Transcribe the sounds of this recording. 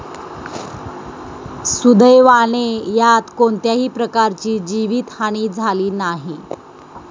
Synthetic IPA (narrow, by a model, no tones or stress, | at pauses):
sud̪əjʋaɭ̃ejat̪koɳt̪jaɦiːpɾəkaɾt͡ɕiːd͡ʑiʋiːt̪haɽ̃iːd͡zʱaliːnaɦi